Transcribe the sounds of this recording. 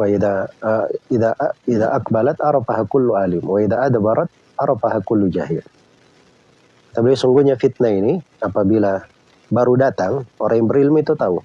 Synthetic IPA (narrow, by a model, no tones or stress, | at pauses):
waiða | iðaʔiðaʔaqbalat̪ɑɾˤɑfaɦakʊlːuʔalɪmwaiðaʔad̪bɑɾˤɑt̪̚ | ʔɑɾˤɑfaɦakʊlːud͡ʒaɦɪ̰l | at̪abasuŋɡuhɲafit̪̚naini | apabila | baɾudat̪aŋoɾʔaŋjaŋbəɾilmuit̪ut̪au